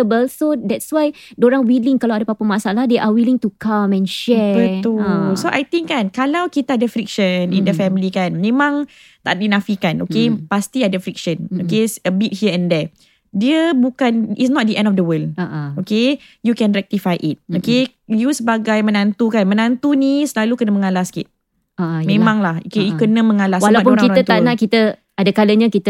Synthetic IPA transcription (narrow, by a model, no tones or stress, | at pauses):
əbəlsodɛtswaj | doɾaŋwiliŋkalawadapapamasalahdeʔawilĩŋtukamɛ̃nʃɛbət̪ullsoʔajt̪ĩŋkankalawkit̪aadəfɾik̚ʃənḭ̃ndəfɛmilikanmẽmãŋ | t̪aʔdinãfikanʔo̰kepast̪iadəfɾik̚ʃə̃nokesəbit̚hiəɛ̃ndɛ | diəbukanḭsnɔt̚dəʔɛ̃ndɔfdəwəldaoke | jukɛ̃nrɛk̚t̪ifajʔit̪̚oke | jusəbaɡajmə̃nãnt̪ukanmənãnt̪unisəlalukənəmə̃ŋalahskḭt̪̚ | amẽmãŋlahokejukənə̃mə̃ŋalaswalaap̬unɾakiɾaət̪anãʔkit̪ə | adakaləɲãkit̪ə